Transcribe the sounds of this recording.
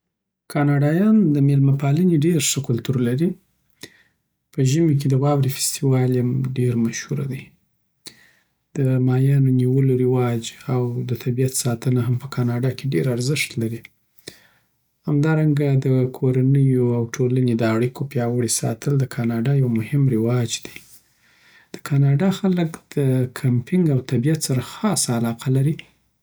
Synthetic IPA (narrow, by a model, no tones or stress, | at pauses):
kʰɑnɑɖɑjɑnd̪əmelmapɑləneɖeɾʂəkʊlt̪uɾlaɾi | pəʒəmek̬ed̪əwɑbɾifɪ̥st̪iwɑljamɖeɾmaʃhuɾa̰d̪aj | d̪̥əmɑjɑnoniwəloɾɪwɑd͡ʒawd̪ət̪ʰabijat̪sɑt̪ənaɦampəkʰɑnɑɖɑkeɖeɾaɾzɪʃt̪laɾi | hamd̪ɑɾaŋɡad̪əkʰoɾanəjoawʈʰolaned̪əaɽikopjɑwəɽisɑ̰t̪ʰəld̪əkʰɑnɑɖɑjawmʊhɪmɾɪwɑd͡ʒd̪̥i̥ | d̪̥ə̥kʰɑnɑɖɑxaləkd̪̥əkʰampɪŋɡawt̪abijat̪saɾaxɑsaːlɑqʰalaɾi